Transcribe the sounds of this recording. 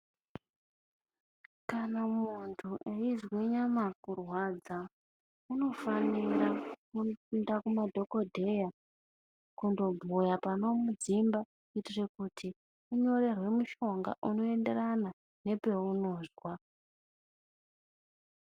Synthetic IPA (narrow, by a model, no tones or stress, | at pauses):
kanamuntʰuʔeizweɲamakurwad͡za | uno̞faniɾakupindakumadʱo̞ko̞dʱe̞ja | kundo̞bʱujapano̞mud͡zimba | itirekutʰi | uɲo̞re̞rwe̞muʃo̞ŋɡa̰ʔuno̞e̞nde̞rana | ne̞pe̞uno̞ːzwa